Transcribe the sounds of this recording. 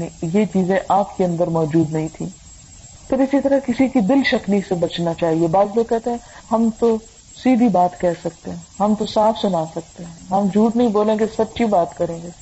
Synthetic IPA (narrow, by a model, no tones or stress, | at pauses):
ijet͡ʃiːzẽʔaːpkeɐ̃nd̪əɾmɔːd͡ʒuːd̪nɐɦĩt̪ʰĩː | pɐɾɪsit̪ɐɾakɪsikid̪ɪlʃɐknisebɐt͡ʃnat͡ʃaːɦiebaːzlokɛɦt̪eɦɛ̃ɦɐmt̪o | siːd̪ʱibaːt̪kɛɦsɐk̚t̪eɦɛ̃ːɦɐmt̪osaːfʰsʊnaːsɐk̚t̪eɦɛ̃ːɦɐmd͡ʒʱuːʈnɐɦĩboːlẽɡesɐpːʃʰibaːt̪kɐɾẽːɡeː